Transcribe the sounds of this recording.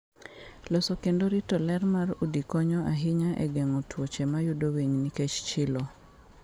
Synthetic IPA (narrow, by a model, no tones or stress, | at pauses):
losokendoɾitɔlɛrmaɾudikɔɲɔʔaɦɪɲaʔɛ̰ɡɛŋotwot͡ʃemajudoweɲniket͡ʃt͡ʃɪlɔ